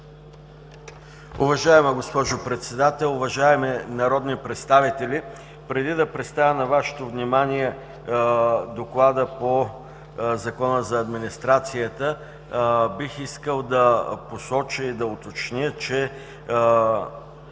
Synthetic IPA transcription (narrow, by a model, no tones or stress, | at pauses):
ʊvɐʒaɛməɡospɔʒʊpɾɛt̪sɛd̪at̪ɛlˠʊvɐʒaɛmɛnɐɾɔd̪nipɾɛt̪st̪avit̪ɛli | pɾɛd̪id̪ɐpɾɛt̪st̪avʲənɐvaʃɛ̥t̪ovnimaniɛ | d̪oklˠad̪əpo | zɐkɔnəzɐːd̪minist̪ɾat̪sijət̪ə | bixiskəlˠd̪ɐposɔt͡ʃəid̪ɐʊt̪ot͡ʃnʲət͡ʃɛ